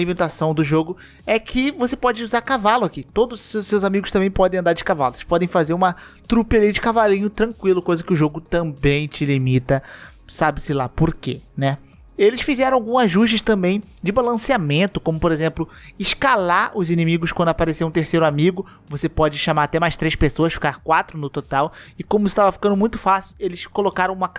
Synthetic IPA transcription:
limit̪asɐ̃w̃d̪ʊʒoɡʊ | ɛkʰɪvosepɔd͡ʒɪuzaɾkavalʊakit̪od̪ʊzsewzamiɡʊst̪ɐ̃mbẽj̃pɔd̪ẽɐ̃nd̪aɾd͡ʒɪkava̰lʊelɪspɔd̪ẽj̃fazeɾũmɐt̪ɾupelid͡ʒɪkavalĩɲʊt̪ɾɐ̃ŋkwilʊkojzɐkɪʊʒoɡʊt̪ɐ̃bẽj̃t͡ʃɪlimit̪ɐ | sabɪsɪlapoɾkenɛ | elɪsfizɛɾɐ̃w̃awɡũzaʒuʃt͡ʃɪst̪ɐ̃mbẽj̃ | d͡ʒɪbalɐ̃siamẽnt̪ʊkõmʊpoɾezẽmplʊɪʃkalaʊzinĩmiɡʊskwɐ̃d̪ʊapaɾeseɾũt̪eɾsejɾʊamiɡʊ | vosepɔd͡ʒɪʃamaɾat̪ɛmajʃt̪ɾejʃpesoɐsfi̥kaɾkwat̪ɾʊnʊt̪ot̪awɪkõmʊɪst̪avɐfi̥kɐ̃d̪ʊmũj̃t̪ʊ̥fasiwelɪskolokaɾɐ̃w̃ũmɐ

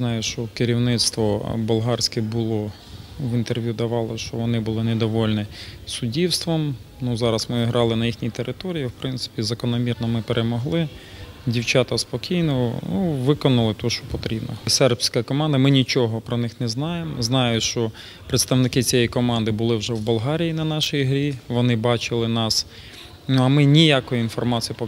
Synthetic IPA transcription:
znɑjʊʃt͡ʃɔkɪɾʲiwnɪt̪st̪ʋɔbʊlˠɦɑrsʲkɪbʊlˠɔ | ʋint̪erʋʲjud̪ɐʋɑlˠɪʃt͡ʃɔʋɔnɪbʊlˠɪned̪ɔʋɔlʲnisʊdʲiwst̪ʋɔm | nuzɑɾɐsmɪiɦɾʔɑlˠɪnɐjixnʲit̪eɾʔɪt̪ɔɾʲijiwpɾɪnt̪sɪ̥pʲizɐkɔnɔmʲirnɔmɪpeɾʔemɔɦlˠɪ | dʲiwt͡ʃɑt̪ɐspɔkʲijnɔnuʋɪkɔnɐlˠɪt̪ɔʃt͡ʃɔpɔt̪ɾʲibnɔ̰sɛrpsʲkɐkɔmɑnd̪ɐmɪnʲit͡ʃɔɦɔpɾɔnɪxnɛznɑjemɔznɑjʊʃt͡ʃɔ | pɾet̪st̪ɐʋnɪkɪt͡sʲijɛjkɔmɑnd̪ɪbʊlˠɪwʒɛwbʊlˠɦɑɾʲijinɐnɑʃɪjɦɾʲiʋɔnɪbɑt͡ʃɪlˠɪnɑs | nuɐmɪnʲijakɔjʊinfɔrmɑt͡sʲijpɔ

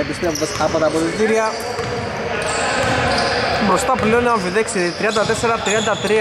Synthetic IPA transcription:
epist̪ɾeuvesɐpot̪ɐpot̪it̪iɾiɐ | bɾost̪ɐpleoniɐɱviðeksit̪ɾiɐnd̪ɐt̪eseɾɐt̪ɾiɐnd̪ɐt̪ɾi

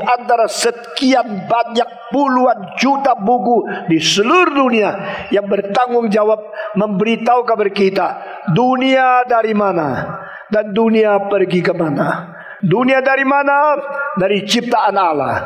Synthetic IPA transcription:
ant̪aɾasəkianbaɲak̚puluand͡ʒut̪abukudisəluɾuduniajaŋbərt̪aŋʊŋd͡ʒawap̚məmbəɾit̪aukabərkit̪a | duniadaɾimana | danduniapərɡikəmana | duniadaɾimanadaɾit͡ʃip̚t̪aʔanala̰h

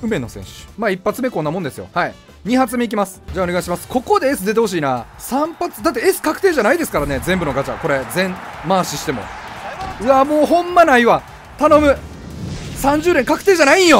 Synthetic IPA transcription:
ɯ̟me̞nosẽ̞̰ɰ̃ɕɨ̥maːipːat͡sɨme̞kõ̞nːamõnd̪esɨjo̞̰hai | ɲ̟iɦat͡sɨmeikʲimasɨ̥d͡ʑaːoeaiɕ̬imasɨ̥ko̞ko̞d̪e̞esɨd̪e̞t̪e̞ho̞ɕ̬iːna | sãmpat͡sɨ̥d̪at̪ːeesɨ̥kakɯ̟̥e̞ːʑanaid̪e̞sɨ̥kaɾane̞zẽ̞mbɯ̟no̞ɡat͡ɕa̰ko̞ɾe̞zẽ̞ɴmaːɕiɕi̥t̪e̞mo̰ | ɯ̟amoːɦõ̞mːanaiβa | t̪ano̞mɯ̟ | sãɲ̟d͡ʑɨːd̪ẽ̞ŋkakɯ̥t̪e̞ːʑanaĩjo̞

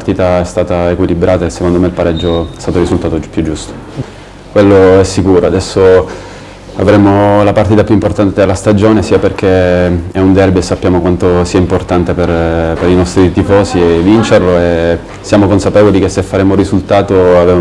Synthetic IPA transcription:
rt̪iːt̪aɛst̪aːt̪aekwilibɾʔaːt̪aesːekond̪omeilpaɾɛd͡ʒːoɛst̪aːt̪orisult̪aːt̪opːjud͡ʒːust̪o̥ | kwelːoɛsːikuːɾoad̪ɛsːo | a̰vɾemolapart̪iːt̪apjuimport̪ant̪ed̪elːast̪ad͡ʒoːnesiːaperk̟eɛund̪ɛrbiesːapːjaːmokwant̪osiːaimport̪ant̪eperpeɾinɔst̪ɾit̪ifɔːsievint͡ʃerloe | sːjaːmokonsapeːvolik̟esːefːaɾeːmorizult̪aːt̪oave

